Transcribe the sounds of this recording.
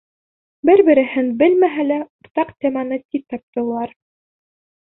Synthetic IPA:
bɘɾbɘ̆ɾɘ̆hɘnbɘlmæɦælæuɾt̪ɑqt̪ʲemɑnɤt̪ʲip̚t̪ɑp̚t̪ɤ̆wlˠɑɾ

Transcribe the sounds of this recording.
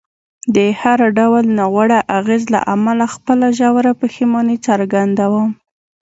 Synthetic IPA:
d̪əhaɾɖawlnɑɣwaɽaʔaɣezla̰ʔamalaxpəlaʒawaɾapəximɑnit͡saɾɡand̪awəm

